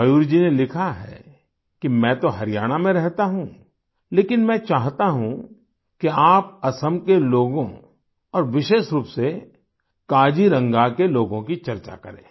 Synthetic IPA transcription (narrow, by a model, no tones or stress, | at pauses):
ɐjuːɾd͡ʒinelɪkʰaɦɛ̰ː | kimɛ̃ːt̪oɦɐɾɪjaːɽ̃amẽɾɛɦt̪aɦũː | leːkɪnmɛ̃ːt͡ʃaːɦt̪aɦũ | kiaːp̚ɐsəmkeloːɡõ | ɔːɾʋɪʃeːʃɾuːpse | kaːd͡ʒiɾɐ̃ŋɡakeloːɡõkit͡ʃɐɾt͡ʃa̰kɐ̰ɾḛ̃ː